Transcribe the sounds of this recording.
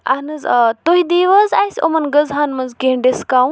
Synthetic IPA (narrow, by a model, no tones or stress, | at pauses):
a̰ɦnɨzt̪oɦid̪iʋəzaisʲo̰mɐnɡəzɦanmɐnzkeɳɖeskaw